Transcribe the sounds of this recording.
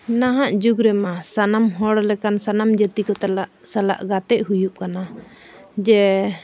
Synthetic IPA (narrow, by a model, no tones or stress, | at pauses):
naɦaʔd͡ʒuɡɾɛmasanamɦɔɽlɛkansanamd͡ʒət̪ikɔt̪alaʔsala̰ʔɡat̪ɛʔɦujuʔkana | d͡ʒɛ